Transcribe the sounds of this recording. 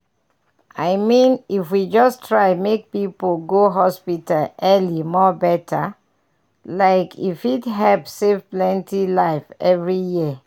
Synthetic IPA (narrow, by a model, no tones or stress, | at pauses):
aɪmĩnifwid͡ʒɔstʰɹaɪmek̚pipolɡoɦɔspitalɛlimɔbɛtʰə | laɪkʰifitɦɛvsevplɛ̃ntilaɪfɛvɹijiə